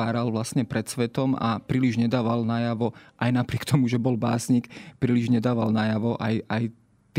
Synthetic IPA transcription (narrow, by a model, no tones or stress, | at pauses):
aːɾalʋlasɲɛpɾɛt̪sʋɛt̪ɔma̰pɾiːliʒɲɛd̪aːʋalnaːjaʋɔʔajnapɾɪɛkt̪ɔmuʒɛbɔlbaːsɲiːkpɾiːliʒɲɛd̪aːʋalnaːjaʋɔʔajʔaj | t̪